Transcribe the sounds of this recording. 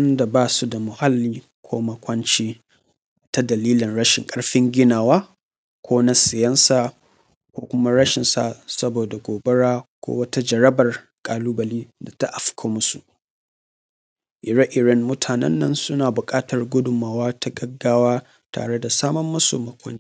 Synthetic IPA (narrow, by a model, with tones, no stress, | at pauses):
ɐ˦nda˨baː˦˨su˦da˨mʊ˨ha˦lːiː˦ | kʷʰoː˦mɐ˨kʷɐ˦nt͡ʃiː˦ | ta˦dɐ˨liː˦lɪ˨nɽɐ˦ʃɪ˨ŋkʼɐ˦ɽɸɪ˦ŋɡʲɪ˦naː˨waː˦ | kʷʰoː˦na˦sɪ˨jɐ˦nsaː˦˨ | kʷoː˦kʷʊ˦ma˦ɾɐ˦ʃɪ˨nsa̰˨sɐ˦boː˨da˨ɡʷoː˨bɐ˦ɽaː˦kʷo̰˦wɐ˦ta˦d͡ʒɐ˨ɾɐ˦bɐ˨r | kʼaː˨luː˦bɐ˨liː˦da˨ta̰˦ʔa˨ɸʊ̥˦kʰaː˦mʊ˦sṵ˨ʔ | ʔɪ˨ɾa˦ʔɪ˨ɾɐ˦nmʊ˦tʰaː˨nɛ̰˦nːɐ˦nsʊ˦naː˨bʊ˨kʼaː˦tɐ˨rɡʷʊ˦dʊ˨maː˨waː˦ta˦ɡɐ˦ɡːaː˦waː˦ | ta̰ː˨ɽe˦da˨saː˦mɐ˦mːɐ˦so̰ː˨mɐ˦kʷɐ̰˦n˦